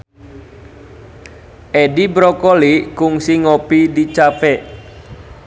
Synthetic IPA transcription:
ʔɛɖibɾɔkɔlikʊŋsiŋopidit͡ʃapɛʔ

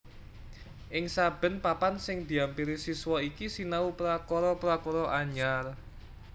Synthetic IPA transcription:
ʔɪŋsab̥ə̤npapansɪŋd̪̥i̤ampiɾisiswɔikisinaupɾakɔɾɔpɾakɔɾɔʔaɲar

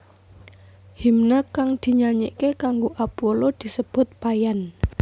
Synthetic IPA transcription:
himnakaŋd̪̥i̤ɲaɲḛʔkekaŋɡoʔapolod̪̥i̤səb̥ʊ̤t̪̚pajan

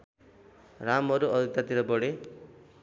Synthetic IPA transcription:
ramʌɾuʌd̪it̪at̪iɾʌbʌɽe

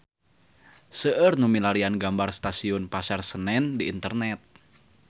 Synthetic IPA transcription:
səʔərnumilalianɡambarst̪asiʊnpasarsənɛndiːnt̪ərnɛt̪̚

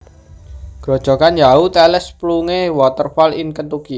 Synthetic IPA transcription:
ɡ̥ɔ̤d̥ʒ̥ɔ̤kanjaut̪ɛlɛspluŋewɔt̪ərfɔlɪŋkət̪uki

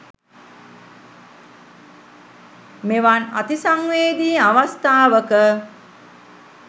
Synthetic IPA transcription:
meʋana̰t̪isaŋʋeːd̪iːaʋast̪aːʋəkə

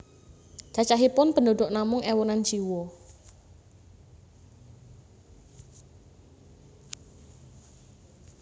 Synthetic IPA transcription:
d͡ʒ̥at͡ʃaɦipʊnpəndoɖʊʔnamʊŋɛwonan̥d͡ʒ̥iwɔ

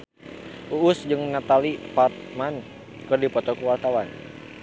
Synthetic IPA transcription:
ʔuʔːsd͡ʒɨŋnat̪alipat̪̚man | kɨrdipɔt̪ɔkuwart̪awan

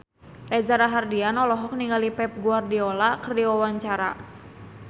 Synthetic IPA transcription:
rɛzaɾaɦardianɔlɔɦɔk̚niŋɡalipɛp̚ɡuardiɔlakərdiwawaɲt͡ʃaɾa̰

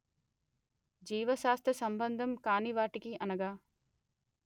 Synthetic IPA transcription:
d͡ʒiːʋɐʃaːst̪ɾɐsɐmbɐnd̪ʱɐmkaːniʋaːʈikiɐnɐɡaː

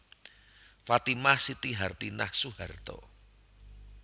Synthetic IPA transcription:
fat̪imahsit̪iɦart̪ina̰hsuhart̪ɔ̰

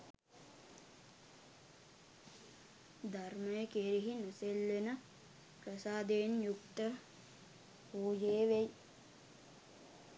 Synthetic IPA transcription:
d̪arməjəkeɾiɦinəselʋenə | prəsaːd̪eːnjukt̪ə | puːd͡ʒeːʋej

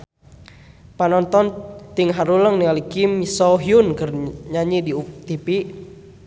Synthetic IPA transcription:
panɔnt̪ɔnt̪iŋɦaɾuləŋnialikimisɔɦiunkərɲaɲidiut̪ipi

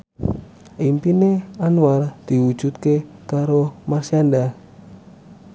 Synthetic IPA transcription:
ʔimpineanward̪̥iwu̥d͡ʒ̥ut̪̚kekaɾomarsianda

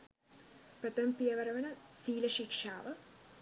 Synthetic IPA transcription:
pɾɐt̪ɐmpijɐʋɐɾɐʋɐnɐsiːlɐʃikʂaːʋɐ

